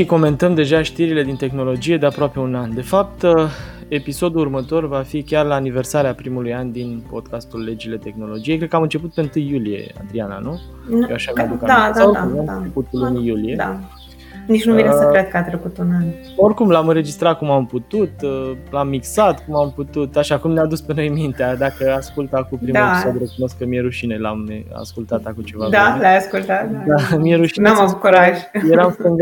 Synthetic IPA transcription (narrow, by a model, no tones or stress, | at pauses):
ʃiko̞me̞nt̪əmd̪e̞ʒaʃt̪iɾile̞d̪int̪e̞xno̞lo̞d͡ʒije̞d̪e̞apɾoape̞unand̪e̞fap̚t̪ə | e̞piso̞d̪ulurmət̪o̞rvafikʲarlaːnive̞rsaɾeapɾimulujand̪inpo̞d̪̚kast̪ulːe̞d͡ʒile̞t̪e̞xno̞lo̞d͡ʒijekɾe̥kəamɨnt͡ʃe̞put̪peɨnt̪ɨjːulije̞̰a̰d̪ɾiana̰nu | jewaʃavad̪ukad̪aaaoumat͡ʃeput̪lunijulijed̪a | nit͡ʃnumiesɾet̪̚kəat̪ɾekut̪unan | o̞rkumlamɨnɾe̞d͡ʒist̪ɾat̪̚kumamput̪ut̪lamːiksat̪kumamput̪ut̪aʃakumnead̪uspe̞no̞jmint̪ead̪akəaskult̪akupɾimd̪ulesod̪ɾekuno̞skːəmijeɾuʃinela̰mea̰skult̪at̪akut͡ʃe̞vad̪alajaskult̪at̪d̪amieɾuʃinamavukuɾaʒʲjeɾamsɨŋɡ